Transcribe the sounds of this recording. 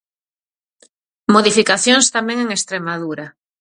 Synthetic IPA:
moðifikaθjoŋst̪amɛ̃ŋeŋest̪ɾemaðuɾa

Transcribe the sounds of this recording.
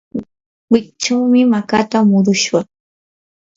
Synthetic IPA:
wɪkt͡ʃawmɪmakat̪amʊɾʊʃwa

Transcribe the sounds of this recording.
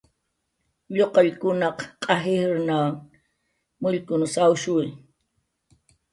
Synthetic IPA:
ʎoqɑʎkʊnɑqqʼɑɦɪɾnaŋ | mʊʎkʊnsawʃʊj

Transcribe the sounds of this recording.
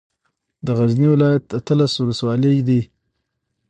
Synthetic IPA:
d̪əɣazniwɪlɑjat̪at̪əlaswʊləswɑləjd̪i

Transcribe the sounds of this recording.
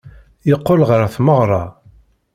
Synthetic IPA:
jəqːolʁəɾθməʁɾˤɑ̰

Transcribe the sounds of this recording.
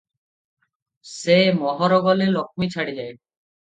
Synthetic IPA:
semɔɦɔɾoɡɔlelɔk̚ʰmit͡ɕʰaɽid͡ʑae

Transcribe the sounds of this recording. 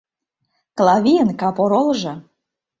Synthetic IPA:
klɑβʲijənkɑpoɾolʒɤ̆

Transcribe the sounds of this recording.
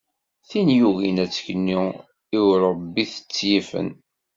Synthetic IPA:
θinjuɣinæt͡sːə̥çnːi | iwɾˤəbːiθə̥t͡sːjifə̰n

